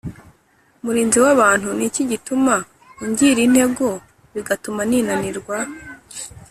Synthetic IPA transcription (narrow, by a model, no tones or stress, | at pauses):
muɾiːnziwaβaːn̥huniciɟituma | iɲɟiɾin̥he̞ɡo | βiɡatumaninaniɾɡwa